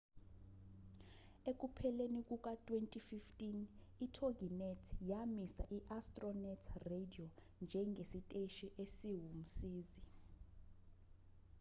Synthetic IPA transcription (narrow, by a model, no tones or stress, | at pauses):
ek̬ʼupʰɛlenik̬ʼuk̬ʼatʼwentʼififtʼinitʰoɡʱinɛtʰjamisa̰ʔiʔastʼrɔnɛtʰrediɔ | nd͡ʒʱɛŋɡʱesitʼeʃiʔesiɦum̩siːzi